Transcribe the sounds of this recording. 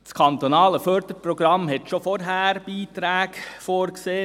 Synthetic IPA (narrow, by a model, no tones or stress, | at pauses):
skʰɑnt̪onɑːləfœɾd̥̪əɾpɾɔɡ̥ɾɑmhɛt̪ʃofɔɾɦæːɾb̥iːt̪ɾæːɡfoːɾkseː